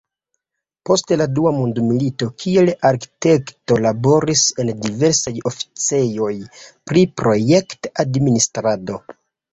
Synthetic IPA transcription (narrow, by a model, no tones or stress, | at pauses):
po̞steladuamundmilito̞kʰie̞laɾki̥te̞kto̞labo̞ɾise̞ndive̞ɾsajo̞fi̥t͡se̞jo̞jpɾipɾo̞je̞ktadministɾado̞